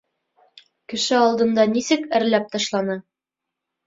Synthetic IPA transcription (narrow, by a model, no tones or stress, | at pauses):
kɘ̆ʃɘɒlˠd̪ɤ̆nd̪ɑnisɘkɘ̆ɾlæp̚t̪ɑʃlˠɑnɤ